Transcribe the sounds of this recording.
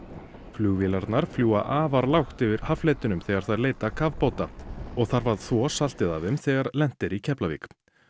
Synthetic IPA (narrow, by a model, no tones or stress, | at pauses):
flʏɣvɪlaɾt̪naɾ̥fljuːa̰ʔaːvaɾlawxt̪ʏvɪɾ̥haflɛjt̪ʏnʏmθɛɣaɾ̥θaðɾleːjt̪akʰavpoːwt̪aɔɣθaɾvað̥θvɔsal̥t̪ɪðavʏmθɛɣaɾlɛn̥t̪ɪɾicʰɛplavḭːk